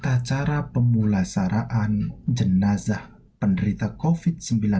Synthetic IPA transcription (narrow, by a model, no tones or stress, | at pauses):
t̪at͡ʃaɾapəmulasaɾaʔand͡ʒənazah | pəndəɾit̪akofit̪̚səmbila